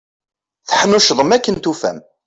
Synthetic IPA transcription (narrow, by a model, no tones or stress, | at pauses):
θəħnuʃðˤəmækːənt̪ufæ̰m